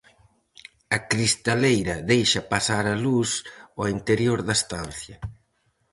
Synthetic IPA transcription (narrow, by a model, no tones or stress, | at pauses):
ɐkɾist̪alejɾɐðejʃɐpasaɾɐlusoint̪eɾjoɾðɐst̪anθjɐ